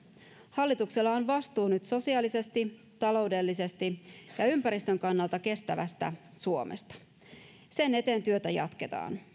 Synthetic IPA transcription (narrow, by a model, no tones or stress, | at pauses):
hɑlːit̪ukselːɑonʋɑst̪uːnyt̪so̞siɑːlise̞st̪i | t̪ɑlo̞ude̞lːise̞st̪ijɑympæɾist̪ø̞ŋkɑnːɑlt̪ɑke̞st̪æʋæ̰st̪æ̰ | suo̞mʔḛst̪ɑ̥ | se̞ne̞t̪e̞ːnt̪yø̞t̪æjɑ̰t̪ke̞t̪ɑ̰ːn